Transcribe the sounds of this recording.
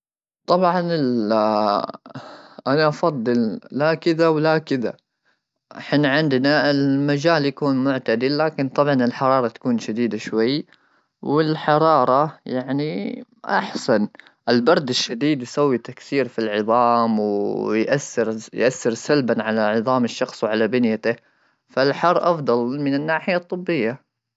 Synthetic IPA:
t̪ˤɑbʕɑnɪl | ʔanaʔɑfɑd̪ˤːɨllakɪðawlakɪða̰ | ʔħɪnaʕɪnd̪naɪlmad͡ʒaːljakuːnmʊʕt̪ad̪ɪlːaːkɪnt̪ˤɑbʕɑnɪlħɑɾˤɑːɾˤɑt̪ḁkuːnʃad̪iːd̪aʃwajː | wɪlħɑɾˤɑːɾˤɑjaʕniʔa̰ħsan | ʔɪlbɑɾˤd̪ɪʃːad̪iːd̪jsawːit̪akθiːɾfilʕɨðˤɑːmwjʔaθːɪɾjʔaθːɪɾsalbanʕalaʕɨðˤɑːmɪʃːɑxsˤwʕalabɪnjat̪ɪ | falħɑrˤːʔɑfd̪ˤɑlmɪnɪnːaːħɪjat̪ˤːɨbːɪjːa

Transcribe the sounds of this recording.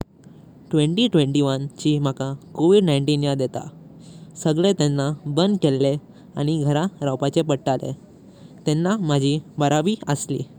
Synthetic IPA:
ʈʋẽɳʈiːʈʋeɳʈiʋənt͡ɕiːm̤akakoʋiɖnaiɳʈiːnjad̪et̪a̰səɡɭet̪enːabənd̪kelːe | aɽ̃iɡʱəɾaɾawpat͡ɕepəɽʈalḛ | t̪enːamad͡ʑʱibəɾaʋiːəslḭː

